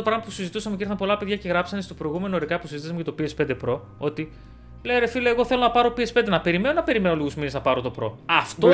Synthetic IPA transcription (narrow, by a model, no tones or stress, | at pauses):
opɾɐɣmɐpusizit̪usɐmeciɾθɐmpo̞lɐpeðʝɐce̞ɣɾɐpsɐnest̪o̞pɾo̞iɣume̞noɾikɐpusizit̪isɐmecɐt̪o̞piespe̞nd̪epɾo̞ | o̞t̪i | leoɾefileːɣo̞θe̞lo̞nɐpɐɾo̞piespend̪enɐpe̞ɾimeno̞nɐpe̞ɾime̞noliɣuzmineznɐpɐɾo̞t̪o̞pɾo̞̰ɐft̪o